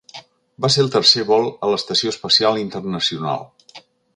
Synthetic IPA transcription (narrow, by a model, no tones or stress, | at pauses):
baselˠt̪ərseβɔlˠələst̪əsioəspəsialˠint̪ərnəsiuna̰lˠ